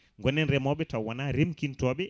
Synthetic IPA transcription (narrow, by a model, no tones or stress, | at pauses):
ŋɡɔnɛnɾɛmɔɓɛtawanaɾemkintɔɓɛ